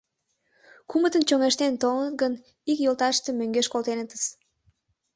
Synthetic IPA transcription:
kumət̪ənt͡ɕoŋeʃt̪ent̪oŋət̪ɡən | ikjolt̪ɑʃt̪emøŋɡeʃkolt̪enət̪əs

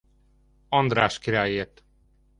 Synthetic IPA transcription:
ɒnd̪ɾaːʃkiɾaːjeːt̪

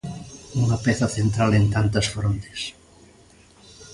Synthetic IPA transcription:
uŋɐpɛθɐθent̪ɾalent̪ant̪ɐsfɾont̪e̥s

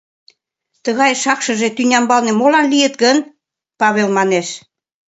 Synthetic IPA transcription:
t̪əɣɑjʃɑkʃɤ̆ʒet̪ynʲɑmbɑlnĕmolɑnlijə̆t̪ɡən | pɑβelmɑneʃ

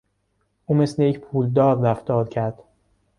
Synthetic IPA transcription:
ʔuːme̞slejecpʰuːld̪ɒːɾːæft̪ʰɒːɾcʰæɾd̪̥

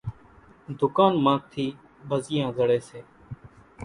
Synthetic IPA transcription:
d̪ʊkaːnmãːt̪ʰːiː | bʱəzɪjãːzəɽeːseː

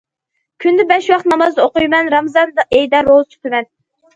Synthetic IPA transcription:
kʲʰynd̪ɪbɛʃwɑχt̪nɑmɑzoqujmɛnɾɑmzɑnd̪ʔejd̪ɑɾozt͡ʃʰy̥t̪ʰɪmɛn

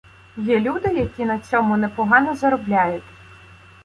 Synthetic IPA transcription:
jɛlʲud̪ɪjɐkʲinɐt͡sʲɔmʊnɛpɔɦɑnɔzɐɾɔblʲajʊtʲ

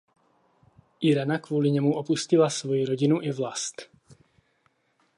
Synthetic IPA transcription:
ʔɪɾɛnakvuːlɪɲɛmuʔopuscɪlasvo̞jiɾoɟɪnuʔɪvlast̪

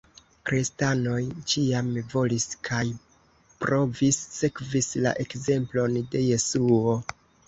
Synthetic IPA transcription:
kɾistano̞jt͡ʃiamvo̞liskʰaj | pɾo̞visːe̞kvisla̰ʔe̞kze̞mplo̞nde̞je̞suo̞

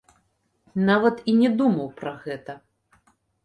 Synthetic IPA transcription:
navɐt̪inʲɛd̪umɐwpɾɐɣɛt̪ɐ

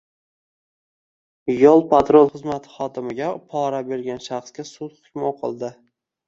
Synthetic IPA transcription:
jolˠpʰat̪ɾolˠχɨzmat̪ʰɪ̥χɒd̪ɪmɪɡʲapʰɒɾabe̞ɾɡʲanʃaχskʲasʊt̪χʊ̥kʲmoqʰɨ̰lˠd̪ɪ

